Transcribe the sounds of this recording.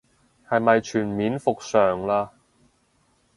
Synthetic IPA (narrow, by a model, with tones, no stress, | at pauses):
hɐ˨jmɐ˨jt͡ʃʰyː˨˩nmiː˨˥nfʊ˨k̚sœː˨ŋlaː˧